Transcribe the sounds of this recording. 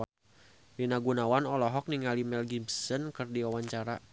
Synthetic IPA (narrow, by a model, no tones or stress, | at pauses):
dinaɡunawanɔlɔɦɔk̚niŋalimɛlɡibsənkɨrdiwawaɲt͡ʃaɾa